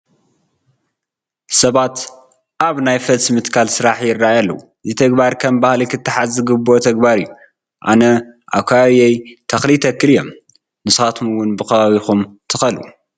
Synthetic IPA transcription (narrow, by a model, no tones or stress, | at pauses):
sɐβat̪ | ʔaβnajfɐtsmɨt̪kʰalsɨɾaħjɪrːaajalːɐwu | zɨt̪ʰɐɡbaɾkʰɐmbahlikʰɨt̪ʰːɐħazɨɡɨbot̪ʰɐɡbaɾɨjːu | ʔa̰nɐʔa̰βkʰaβaβiejt̪ʰɐxlit̪ʰɐkːɨlɨjom | nɨsxat̪ʰumɨwʊnbɨxɐβaβixumt̪ʰɨxɐlṵ